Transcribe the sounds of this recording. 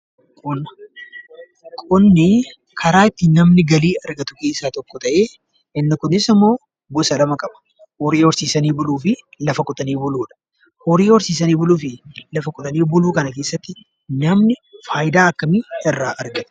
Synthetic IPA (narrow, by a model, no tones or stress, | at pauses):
kʼʊn | kʼʊnːɪ | kʰɐɾaːɪt̪ːɪnɐmnɪɡɐliːɐɾɡɐt̪ʊke̞ːsaːt̪ɔkːɔt̪ɐʔeː | ɪnːɪkʊnɪsɪmːo̞ː | bʊsɐlɐmɐkʼɐbɐ̥ | hɔɾeːwɔɾsiːsɐniːbʊluːfɪlɐfɐkʼʊt̪ʼɐniːbʊluːᶑɐ̥ | hɔɾeːwɔɾsiːsɐniːbʊluːfɪlɐfɐkʼʊt̪ʼɐniːbʊluːkɐnɐke̞ːsːɐt̪ːɪ | nɐmnɪfaːjd̪aːɐkːɐmɪɪrːaːʔɐɾɡɐt̪